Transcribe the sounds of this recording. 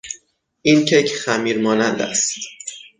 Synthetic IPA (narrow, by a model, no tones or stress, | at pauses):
ʔincʰecʰxæmiːɾmɒːnænd̪æ̰st̪